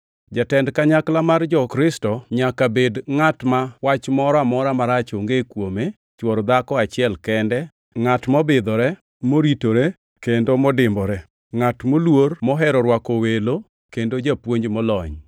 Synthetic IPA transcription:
d͡ʒatɛndkaɲaklamard͡ʒɔkɾɪstɔɲakabedŋatmawat͡ʃmɔɾɔamɔɾamaɾat͡ʃoŋɡekwome | t͡ʃwɔɾd̪akɔat͡ʃɪɛlkɛndɛ | ŋatmɔbɪd̪ɔɾɛ | moɾitoɾe | kendomɔdɪmbɔɾɛ | ŋatmolwormɔɦɛɾɔɾwakowelo | kendod͡ʒapwoɲd͡ʒmɔlɔɲ

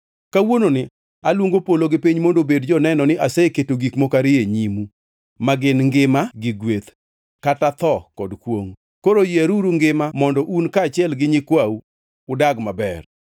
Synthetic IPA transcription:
kawononɪ | alwoŋɡopoloɡɪpiɲmondobedd͡ʒɔnɛnɔnɪʔaseketoɡikmɔkaɾɪeɲimu | maɡɪnŋɡɪmaɡɪɡwet̪ | katat̪ɔkɔdkwoŋ | koɾojaɾuɾuŋɡɪmamɔndɔʔunkaːt͡ʃɪɛlɡɪɲɪkwawu | ʊdaɡmabɛr

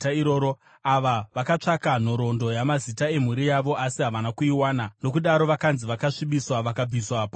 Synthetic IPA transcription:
iɾoɾo | aʋaʋakat͡ʂakan̤o̞ɾo̞ndo̞jamazitae̞m̤uɾijaʋo̞ʔasiɦaʋanakuiwaːnano̞kuɗaɾo̞ʋakanziʋakaʂiɓiswaʋakab͡viswaːp

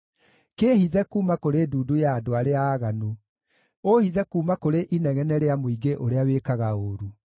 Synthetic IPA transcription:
keːhiðɛkuːmakoɾeduːdujaːdoaɾeaːɣanu | ohiðɛkuːmakoɾeʔinɛɣɛnɛɾeamoiɡeʔoɾeawekaɣaoːɾu

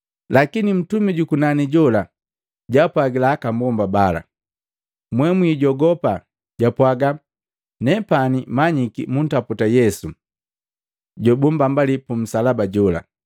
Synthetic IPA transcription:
lakinim̩tumiɟukunaniɟɔla | ɟapwaɡilaakambɔmbabala̰ | mwɛmwiːɟɔɡɔpa | ɟ̥apwaɡa | nɛpanimaɲikḭmun̩taputajɛsu | ɟɔbumbambalipum̩salabaɟɔla̰

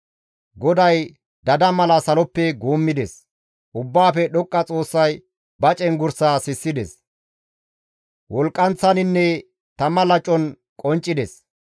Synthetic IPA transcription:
ɡɔd̪ɐj | d̪ɐd̪ɐmɐlɐsɐlɔpːɛɡoːmːɪd̪ɛs | ʔʊbːaːfɛɗɔkʼːɐt͡sʼo̞ːsːɐj | bɐt͡ʃʼɛnɡʊɾsaːsɪsːɪd̪ɛ̰s | wɔlkʼːɐnt͡sːɐnɪnːɛ | t̪ɐmːɐlɐt͡ʃʼːɔn | kʼɔnt͡ʃʼːɪd̪ɛs

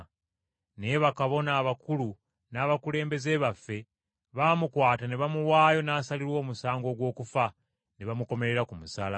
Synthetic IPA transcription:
ne̞βakaβo̞naːβakulu | naːβakule̞ːmbe̞ze̞ːβafːe̞ | βamukwaːtane̞βamuwaːjo̞naːsaliɾwo̞ːmusaːŋɡo̞ːɡwo̞ːkufa | neβamuko̞me̞ɾeɾakumusaːla

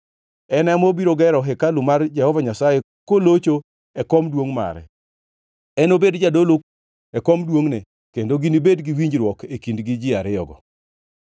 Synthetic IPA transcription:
ɛnɛmɔbiɾoɡɛɾɔɦɛkalʊmard͡ʒɛhɔvaɲasaje | kolot͡ʃo | ɛkɔmdwoŋma̰ɾɛ̰ | ɛnobedd͡ʒadolok̚ | ɛkɔmdwoŋne | kendoɡinibedɡiwiɲd͡ʒɾwɔkekindɡid͡ʒɪaɾɪɔ̰ɡɔ̰

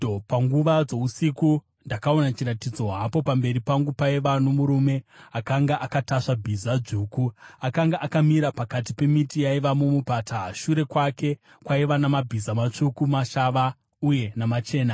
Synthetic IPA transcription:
paŋɡuʋad͡zo̞usiku | ndakao̞nat͡ʃiɾatid͡zo̞ɦapo̞pambe̞ɾipaŋɡupaiʋano̞muɾume̞akaŋɡaʔakataʂabʱizaʐukuakaŋɡaʔakamiɾapakat̬ipe̞mitijaiʋamumupataʃuɾe̞kwake̞ | kwaiʋanamabʱizamat͡ʂukumaʃaʋa | uje̞namat͡ʃe̞ːna

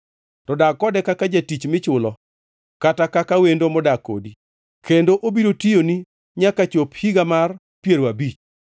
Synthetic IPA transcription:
tɔdakːɔdɛkakad͡ʒatit͡ʃmɪt͡ʃʊlɔ | katakakawendomɔdako̰di | kʰendoʔobiɾotijoni | ɲakat͡ʃophiɡamar | pjeɾwabit͡ʃ

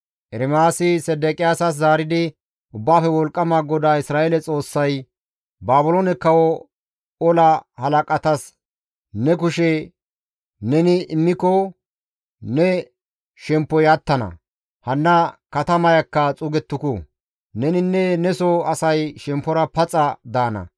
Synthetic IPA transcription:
ʔɛɾɪmaːsɪsɛd̪ɛkʼɪjaːsɐs̬zaːɾɪd̪ɪ | ʔʊbːaːfɛwɔlkʼːɐmaːɡɔd̪aːɪsɾaːelɛt͡sʼo̞ːsːɐj | baːbʊloːnɛkːɐwɔ | ɔlɐhɐlɐkʼɐt̪ɐs | nɛk̬ʊʃɛ | nɛnɪɪmːɪkɔ | nɛ | ʃɛmpːɔjɐt̪ːɐnɐ̰ | hɐnːɐkɐt̪ɐmɐjɐkːɐt͡sʼʊɡɛt̪ːʊkʊ̰ | nɛnɪnːɛnɛsɔɐsɐjʃɛmpːɔɾɐpɐt͡sʼɐd̪aːnɐ̰

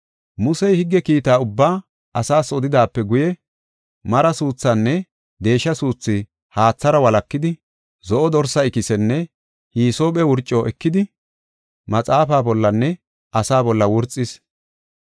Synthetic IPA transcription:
mʊsɛjhɪɡːɛkiːt̪aːʊbːaː | ʔɐsaːsɔd̪ɪd̪aːpːɛɡʊjɛ | mɐɾɐsuːt͡sːɐnːɛ | d̪e̞ːʃːɐsuːt͡sːɪ | haːt͡sːɐɾɐwɐlɐkːɪd̪ɪ | zɔʔɔd̪ɔɾsɐɪkɪsɛnːɛ | hiːsoːɓɛwʊɾt͡ʃʼːɔʔɛkːɪd̪ɪ | mɐt͡sʼaːfaːbɔlːɐnːɛ | ɐsaːbɔlːɐwʊɾt͡sʼːɪs

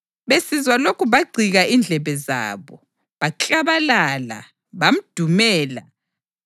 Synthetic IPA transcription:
βesizwalokʰuβaɡ͡ǀʱiɣaʔind͡ɮʱɛβɛza̰ːβɔ | βat͡ɬʼaβalaːla̰ | βam̩d̥ʱumɛːla̰

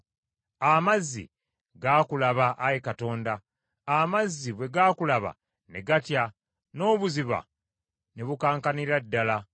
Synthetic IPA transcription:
amazːḭ | ɡaːkulaβaʔajekato̞ːndaː | mazːiβwe̞ɡaːkulaβa̰ | neɡatja | no̞ːβuziβa̰ | neβukaːŋkaniɾadːala

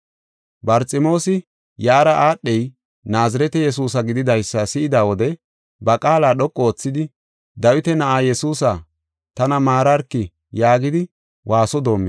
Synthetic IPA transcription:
bɐɾt͡sʼɪmo̞ːsɪ | jaːɾɐʔaːɗːɛj | naːzɐɾɛt̪ɛjɛs̬uːs̬ɐɡɪd̪ɪd̪ɐjsːɐsɪʔɪd̪aːwɔd̪ɛ | bɐkʼaːlaːɗɔkʼːoːt͡sːɪd̪ɪ | d̪ɐwɪt̪ɛnɐʔaːjɛsuːs̬a | t̪ɐnɐmaːɾɐɾkːɪ | jaːɡɪd̪ɪ | wʔaːsɔd̪o̞ːmːɛ

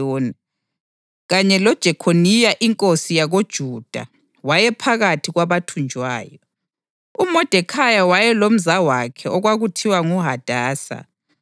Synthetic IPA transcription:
oːni | ɣaɲɛlɔd̥ʒ̥ʱɛkʰonijaʔiŋkʼosijaɣod̥ʒ̥ʱuːd̥ʱa̰ | wajɛpʰaɣatʰiɣwaβatʰund͡ʒʱwa̰ːjɔ | umɔd̥ʱɛkʰajawajɛlom̩zawakʰɛʔɔɣwaɣutʰiwaŋuɦad̥ʱaːsa̰

